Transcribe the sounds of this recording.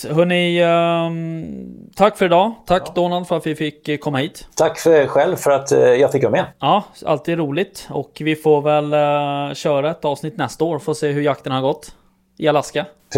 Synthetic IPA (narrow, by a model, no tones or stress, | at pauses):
ɦɵnːɪ | t̪ʰakːfœɾɛd̪ɑːt̪ʰakːd̪oːnald̪fœɾat̪vɪfɪkʰːɔmːahiːt̪t̪ʰakːfɧɛlvfœɾat̪jɑːɡfɪkːjɵmɛɑːa̰lt̪ʰiːd̪ɾuːlɪt̪ɔkvɪfoːvɛlɕœːɾaɛt̪ɑːvsnɪt̪nɛst̪aoːɾfɔɔseːɦɵɾjakt̪ənhaɾɡɔt̪ː | ɪalaska